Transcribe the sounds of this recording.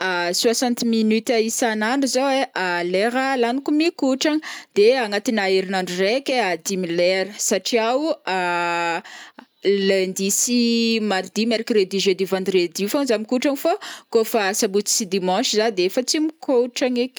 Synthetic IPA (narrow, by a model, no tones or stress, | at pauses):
aswasɑ̃nt̪minyt̪aisanaɳɖ͡ʐuzoweʔaleɾəlanikumikuʈ͡ʂaŋd̪̥eaŋat̪inaiɾinaɳɖ͡ʐurekʲead̪imileɾəsaʈ͡ʂiawa | lend̪isimaɾd̪imeɾkred̪iʒed̪ivɑ̃nd̪red̪ifonzamikuʈ͡ʂaŋfakofasabut͡si̥sid̪imɔ̃ʃizad̪eefət͡simikʰoʈ͡ʂaŋekʲ